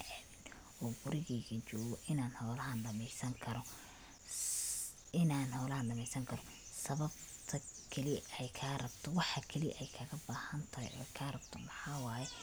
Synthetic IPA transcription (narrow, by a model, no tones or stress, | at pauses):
ɛmɪn | ɔːbʊɾɪɣɛːɣɐt͡ʃɔːɣɔʔɪnaːnhɔːlɐɦɐnɖɐmɛjsɐŋkʰɐɾɔ | ɪnaːnhɔːlɐhɐnɖɐmɛjsɐŋkʰɐɾɔ | sɐβɐbt̪ʰɐkʰɐliɛjkʰaːrɐbt̪ʰɔwɑħɑkʰɐliʔɛjkʰɐɣɐbaːhɐnt̪ʰɐɐ̰jɔ̰ːkʰaːrɐb̚t̪ʰɔmɐħɑːwaːjɛ